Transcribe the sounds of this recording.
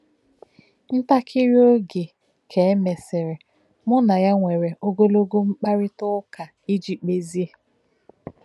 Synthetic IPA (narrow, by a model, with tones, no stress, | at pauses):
n̩˦ta˦kʰɪ˦ɾjo˦ɡe˨ | kʰe˨˦me˨sɪ˨ɾɪ˨ | mʊ˦na˨ja˦ŋʷe˨ɾe˨ʔo˦ɡo˦lo˦ɡo˦ŋ͡m̩˦k͡pa˦ɾɪ˦tʊ˦ka˨ | i˦d͡ʒi˨k͡pe˦zi˦e˦